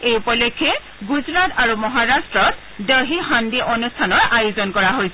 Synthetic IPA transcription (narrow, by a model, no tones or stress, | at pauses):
ejpɔlekʰːɛ | ɡuzɹataɹumɔɦaɹastɹɔt̚ | dɔɦihandiʔɔnustʰanɔɹajozɔnkɔɹaɦojsɛ